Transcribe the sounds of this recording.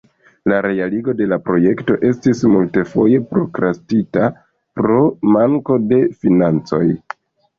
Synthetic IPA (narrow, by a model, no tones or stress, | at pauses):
laɾe̞aliɡo̞de̞lapɾo̞je̞kto̞ʔe̞stismulte̞fo̞je̞pɾo̞̰kɾastita | pɾo̞maŋko̞de̞finant͡so̞j